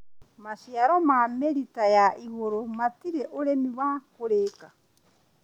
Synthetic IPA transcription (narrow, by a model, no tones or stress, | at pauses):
masiaɾomameɾitajaʔiwoɾomatiɾeʔoɾemiwaːkoɾeːka